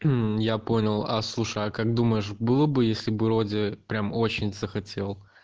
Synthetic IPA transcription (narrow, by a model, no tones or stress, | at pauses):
japo̞nʲɪlˠa̰slˠuʂəjakaɡ̚d̪uməjɪʂbɨlˠəbɨjesʲlʲɪbɨɾo̞dʲɪpɾʲamo̞t͡ɕɪnʲzəxɐtʲe̞lˠ